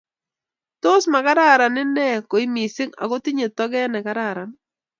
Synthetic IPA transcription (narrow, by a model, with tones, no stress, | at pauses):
tʊ˦sma˨ka˦ɾa˦˨ɾa˨nɪ˦nɛ˦˨ko˨i˦mi˨sɪ˦ŋa̰˨ɡo˦tɪ˦ɲe˨t̪ɔ˦ɡɛ˦nɛ˨ka˦ɾa˦˨ɾa˨n